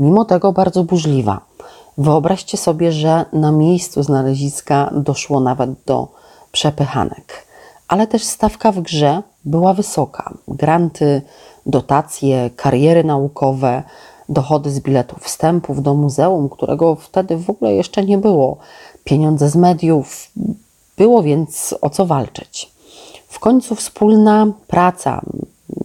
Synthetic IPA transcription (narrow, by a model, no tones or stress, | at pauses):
mʲimɔt̪ɛɡɔbaɾd̪zɔbuʐlʲiva̰ | vɘɔbɾaɕt͡ɕɛsɔbʲjɛʐɛnamʲjejst̪suznalɛʑiskad̪ɔʂwɔnavɛd̪̚d̪ɔ̰ | pʂɛpɘxa̰nɛ̰k | ʔalɛt̪ɛʂst̪afkavɡʐɛ | bɘwavɘsɔkʰa̰ɡɾant̪ʰɘ | d̪ɔt̪at̪sʲjɛkʰaɾjɛɾɘnaukʰɔvɛ | d̪ɔxɔd̪ɘzbʲilɛt̪ufst̪ɛmpuvd̪ɔmuzɛumkt̪uɾʔɛ̰ɡɔft̪ɛd̪ɘvɔɡulɛ̰jɛʂt͡ʂɛɲɛbɘwɔ | pʲjeɲɔnd̪zɛzmɛd̪ʲjuf | b̥ɘwɔvʲjɛnt̪sɔ̰t̪sɔvalt͡ʂɘ̥t͡ɕ | fkɔɲt̪sufspulnapɾat̪sa̰